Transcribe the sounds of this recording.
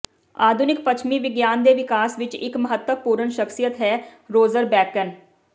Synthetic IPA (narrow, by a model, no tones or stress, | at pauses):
aːd̪ʱʊnɪk̚pət͡ʃʰmiːʋɪɡjaːnd̪eːʋɪkaːsʋɪt͡ʃɪ̰kməɦət̪wəpuːɾənʃəksijət̪ɦɛːɾoːzəɾbɛːkən